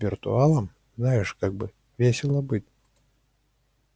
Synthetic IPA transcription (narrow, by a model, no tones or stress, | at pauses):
vʲirt̪ṵalˠɐm | znajɛʂkaɡ̚bɨ | vʲesʲɛlˠɐbɨt̪ʲ